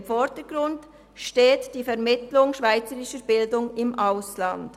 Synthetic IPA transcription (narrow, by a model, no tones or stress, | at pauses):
mfɔdəɡ̥ʁʊnd | ʃteːtd̥iːfɛʁmɪtlʊŋʃv̥aɪt͡səɾɪʃəbɪldʊŋɪmʔaʊslɑnd